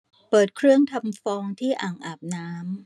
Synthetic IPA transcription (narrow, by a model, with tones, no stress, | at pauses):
pɤː˨˩t̪̚kʰɾɯ˥˩əŋt̪ʰa˧mfɔː˧ŋt̪ʰiː˥˩ʔaː˨˩ŋʔaː˨˩p̚naː˦˥m